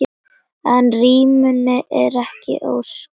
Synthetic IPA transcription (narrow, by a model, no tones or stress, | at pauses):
ɛnriːmʏnːɪʔɛɾɛhcɪ̰ʔo̰ws